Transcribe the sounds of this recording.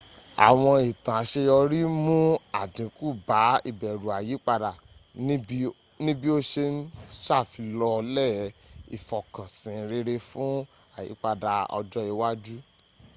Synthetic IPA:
a̰˨w̃ɔ̃˧i˨tã˨a˨ʃe˧jɔ˧ɾi˦mũ˦a˦˨dĩ˨˦ku˦˨ba˨˦ḭ˦˨bɛ˨ɾu˨a˨ji˨˦k͡pa˧da˨˦ | nĩ˦bi˦o˦ʃe˧n˦ʃa˦˨fi˧lɔ˧lɛ˦˨ḭ˨fɔ˨kã˨sĩ˨˦ɾe˧ɾe˧fũ˦ | a˦˨jḭ˨˦k͡pa˧da˧ɔ̰˧d͡ʒɔ˦i˧wa˦d͡ʒu˦

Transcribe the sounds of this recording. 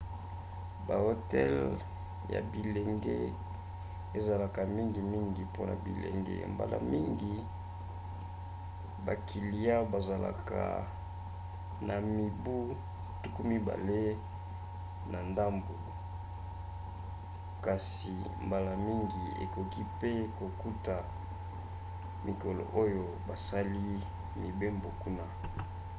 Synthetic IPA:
ba˨o˦tɛ˦l | ja̰˨bi˨le˨ŋɡe˦ | e˨za˨la˨ka˨mi˦ŋɡi˨mi˦ŋɡi˨po˦na̰˨bḭ˨lḛ˨ŋɡḛ˦mba̰˨la̰˨mi˦ŋɡi˨ | ba˨kʰi˨li˨ja˦ba˨za˨la̰˨ka̰˨ | na˨mi˨bu˦ | tu˦ku˦mi˦ba̰˨le˦ | na˨nda˦mbo˨ | ka˨s | i˨ | mba˨la˨mi˦ŋɡi˨ḛ˨kɔ˨ki˦pe˦ko˨ku˦ta˨ | mi˨ko˨lo̰˨ʔo˦jo˨ba˨sa˦li˦ | mi˨be˦mbo˨ku˦na˦

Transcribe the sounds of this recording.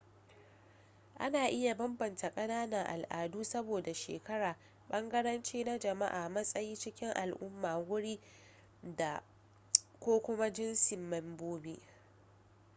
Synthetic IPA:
ʔa̰˦naː˨ʔɪ˦ja˨bɐ˦mbɐ˨nta˨kʼɐ˦naː˦nɐ˨ŋʔa̰˨lʔaː˨duː˦sɐ˦boː˨da˨ʃḛː˨kɐ˦ɽaː˨ | ɓɐ˦ŋɡɐ˦ɽɐ˦nt͡ʃiː˦na˦d͡ʒɐ˨ma˦ʔaː˨mɐ˦sʼɐ˦jiː˦t͡ʃɪ˦kʲɪ˦ŋʔa˨lʔʊ˦mːaː˨wʊ˦ɽiː˦ | da˨ | kʷoː˦kʷʊ˦ma˦d͡ʒɪ˦nsɪ˨mːɐ˨mboː˦biː˦ʔ

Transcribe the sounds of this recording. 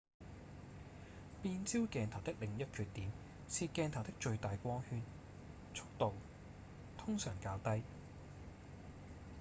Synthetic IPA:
piː˧nt͡siː˥wkɛː˨˧nt̪ʰɐ˨˩wt̪ɪ˥k̚lɪ˨˩ŋjɐ˥t̚kʰyː˧t̪ːiː˨˥m | siː˧kɛː˧nt̪ʰɐ˨˩wt̪ɪ˥k̚t͡ʃɵ˧ɥt̪aː˨jkʷɔː˥ŋhyː˧n | t͡ʃʰʊ̥˥k̚t̪o˨w | t̪ʰʊ˥ŋsœː˨˩ŋkaː˧wt̪ɐ˥j

